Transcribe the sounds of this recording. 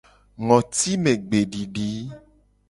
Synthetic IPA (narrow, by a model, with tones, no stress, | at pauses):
ŋɔ̃˨t̪i˦mẽ˨ɡ͡be˨ɖi˨ɖi˨˦